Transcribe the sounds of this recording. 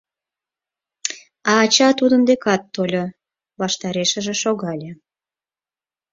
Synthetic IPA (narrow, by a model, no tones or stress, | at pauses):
ɑːt͡ɕɑt̪ud̪ənd̪ekɑt̪ːolʲo | βɑʃt̪ɑɾeʃə̆ʒĕʃoɣɑlʲe